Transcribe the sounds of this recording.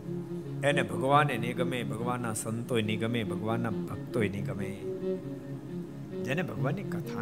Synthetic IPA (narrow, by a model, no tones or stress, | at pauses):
ɛnebʱɐɡəʋaːneneɡɐmeːbʱəɡəʋaːnːasɐnt̪oːjniɡɐmeːbʱɐɡəʋaːnːabʱɐk̚t̪oːjniɡɐmeː | d͡ʒɛnebʱɐɡəʋaːnekɐt̪ʰaː